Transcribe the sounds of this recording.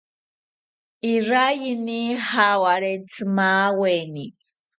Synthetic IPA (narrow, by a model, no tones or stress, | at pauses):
irajinihawaɾɛt͡sʰɨmawɛni